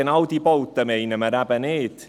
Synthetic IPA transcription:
ənawd̪ibɔwt̪əmejnəməɾabəneːt̪

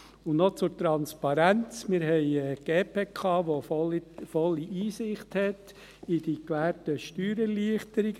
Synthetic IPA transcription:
ʊnot͡sʊɾtɾɑnspɑɾænt͡smɪɾɦɛɪəɡ̥eːpʰeːkʰɑːʋo | fɔlːiʔiːsɪχthɛt | id̥ikʋæːɾtəʃtyːɾəliəχtəɾiɡ

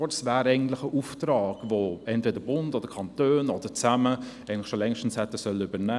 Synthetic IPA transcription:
ɔtsvaːɾɛɪɡən̩tlɪχəʔuːftrɑːɡ̥voɛntv̥eːdəɾbʊndɔd̥əɾkʰɑntøːnɔd̥əɾt͡saməɛɪɡŋn̩tlɪxʃolɛŋʃtn̩shɛtːəsœlybəɾnɛ

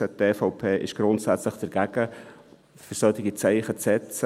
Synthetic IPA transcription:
ədeːfɑʊpʰeːʔɪ̰ʃɡ̥ɾʊntsæt͡sləχd̥ɛɾɡ̥æɡ̥ə | fʏɾsœt̪ɪɡit͡sɛɪχət͡sɛt͡s

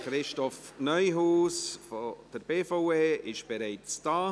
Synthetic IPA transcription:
χɾɪʃtɔfnœjɦuːsfɔd̥əɾbeːfoweːɪʃb̥eɾeɪtstɑː

